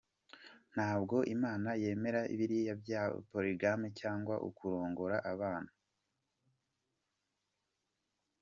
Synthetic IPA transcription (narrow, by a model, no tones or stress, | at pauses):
n̥haːbɡo̞ʔimaːnaje̞ːme̞ɾaḭβiɾiejabja̰ːpoɾiɡamecaːŋɡwaʔṵkuɾo̞ːŋɡo̞ɾaʔaβaːnhu